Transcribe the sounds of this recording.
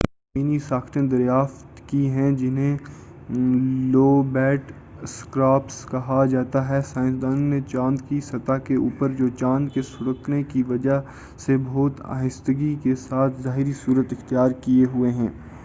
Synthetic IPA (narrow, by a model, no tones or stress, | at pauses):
miːnisaːkt̪ẽd̪ɐɾjaːft̪kiɦɛ̃d͡ʒɪnɦẽ | loːbɛːʈ | skɾaːpskɐɦad͡ʒaːt̪aɦɛsaːɪ̃nsd̪aːnnet͡ʃãːnd̪kisɐt̪akeuːpəɾd͡ʒoːt͡ʃãːnd̪kesʊɽəknekiʋɐd͡ʒa | seboːt̪a̰ːɦɪst̪əɡikesaːt̪ʰzaːɦɪɾisuːɾət̪ɪxt̪ijaːɾkieɦʊeɦɛ̃ː